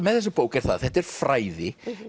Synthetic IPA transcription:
mɛðθɛs̬ːapoːwkɛɾ̥θa̰ðθɛht̪ɛɾ̥fɾaːjðɪ

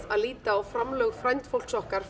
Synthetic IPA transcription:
aðliːt̪aɔwfɾamlœɣfɾajnt̪fowl̥ksɔhkaɾ̥

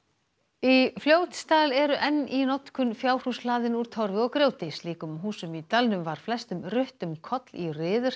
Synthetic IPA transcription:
ifljoːwt̪st̪aːlɛɾʏʔɛnːinɔt̪kʰʏnfjaːwr̥uslaːðɪnuɾ̥t̪ʰɔɾvɪɔɣkɾjoːwt̪ɪsliːkʏmɦuːsʏmit̪alnʏmvaɾ̥flɛst̪ʏmrʏht̪ʏmkʰɔt̪lirɪːðʏɾ̥

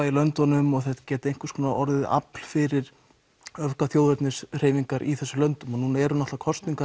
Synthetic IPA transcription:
ailœnt̪ɔnʏmɔɣθɛt̪ḁcɛːt̪ɪejŋ̥kvḁskʰɔːnaʔɔɾðɪða̰pl̥fɪɾɪɾ | œvkaθjoːwðvɛɾt̪nɪsr̥eːjviŋkaɾʔiθɛsːʏlœnt̪ʏmɔnuːnaɛɾʏnaht̪akʰɔst̪niŋka

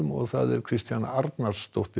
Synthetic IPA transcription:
ʏmɔɣθaðɛɾkʰɾ̥ɪst̪janaɾt̪narst̪owht̪ɪ

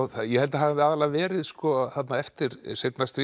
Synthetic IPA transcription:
θajɛhɛlt̪aɦavaaːðalavɛːɾɪðskɔθat̪naɛft̪ɪɾsejt̪nast̪ɾi

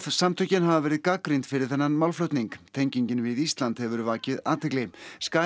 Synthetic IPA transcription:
ðsamt̪ʰœcɪnɦavavɛːɾɪðkakɾint̪fɪɾɪɾ̥θɛnːanmawlflœwt̪niŋkt̪ʰejɲciɲcɪnvɪðist̪lant̪hɛvʏɾʏvaːcɪðaːt̪ʰɪklɪskaː

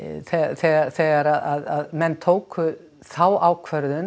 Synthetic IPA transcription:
θɛθɛɣaɾθɛːɣaɾaðaðaðmɛnːt̪ʰoːwkʏ | θaːwaːwkʰvœɾðʏn

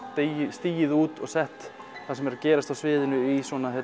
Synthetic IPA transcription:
ɪst̪iːjɪðuːt̪ɔ̰ɣsɛht̪ | θasɛmɛɾacɛːɾast̪awsvɪːðɪnʏiswɔːnaɛ

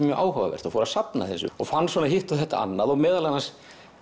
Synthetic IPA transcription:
mjœʔaːwhava̰vɛ̰r̥t̪ɔfɔːɾasapnaθɛsʏ̰ɔɣfanːsɔːnaɦiht̪awθɛht̪a̰a̰nːaðɔɣmɛːðalanas

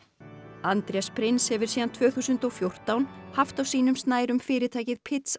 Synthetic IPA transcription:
ant̪ɾjaspʰɾɪnshɛvʏ̥siːðant̪ʰvœːθuːsʏnt̪ɔwfjowr̥t̪awnhaft̪awsiːnʏmst̪naːjɾʏmfɪːɾɪt̪ʰaːjcɪðpʰɪt̪s

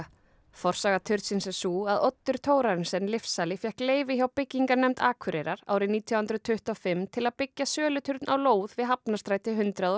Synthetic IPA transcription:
fɔɾ̥saːɣat̪ʰʏɾ̥t̪sɪnsɛsuːaðɔt̪ːʏɾ̥t̪ʰoːwɾaɾɪnsɛnːlɪfsaːlɪfjɛhkleːjvɪçawpɪcːiŋkaɾnɛmt̪aːkʰʏɾɛɾaɾa̰ːwɾɪniːt̪ʰjɔwhʏnɾʏðt̪ʰʏht̪ɔfɪmt̪ʰɪlaðpɪcːasœːlʏt̪ʰʏɾt̪nʔawloːwðvɪðɦapnast̪ɾaːjt̪ɪɦʏnt̪ɾaðɔ

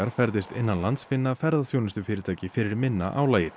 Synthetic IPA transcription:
aɾ̥fɛɾðɪst̪ɪnːanlant̪sfɪnːafɛɾðaθjownɪst̪ʏfɪːɾɪɾt̪ʰaːjcɪfɪɾɪɾmɪnːa̰ʔawlaːjɪ

